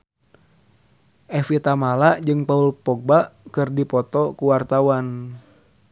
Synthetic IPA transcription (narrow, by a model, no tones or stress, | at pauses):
ʔɛfit̪amalaʔd͡ʒɨŋpaulpɔk̚baʔkɨrdipɔt̪ɔkuwart̪awan